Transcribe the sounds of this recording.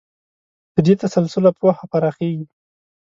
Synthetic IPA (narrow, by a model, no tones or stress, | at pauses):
d̪̥əd̪et̪asalsʊlapwaxapaɾaxeɡi